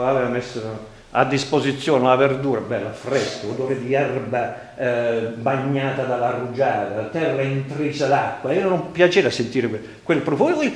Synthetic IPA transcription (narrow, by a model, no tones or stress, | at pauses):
aveːvamesː | a̰d̪ːispozit̪sːjɔːnelaverd̪uːɾabɛlːafɾɛskod̪oːɾed̪iɛrba | baɲːaːt̪ad̪alːarud͡ʒaːt̪at̪ɛrːaint̪ɾiːsad̪akːwaiːonompjat͡ʃeːvasent̪iːɾɪkwe | kwelpɾof